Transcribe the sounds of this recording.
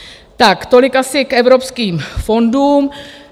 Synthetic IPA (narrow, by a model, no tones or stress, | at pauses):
t̪akt̪o̞lɪkasɪkʔɛvɾo̞pskiːmfo̞nduːm